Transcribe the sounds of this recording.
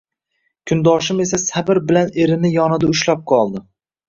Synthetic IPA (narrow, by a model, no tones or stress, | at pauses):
kʲʰʊnd̪ɒʃɪme̞sasabɪɾbɪlane̞ɾɪnɪjɒnɪd̪aʊʃlap̚qʰɒlˠd̪ɪ